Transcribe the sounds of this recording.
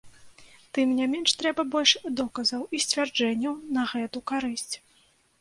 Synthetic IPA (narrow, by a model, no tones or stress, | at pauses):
t̪ɨmnʲamʲɛnʂt̪ɾɛbɐbɔlʲʂd̪ɔkɐzɐwisʲt͡sʲvʲard͡ʐɛnʲːɐwnɐɣɛt̪ukaɾɨsʲt͡sʲ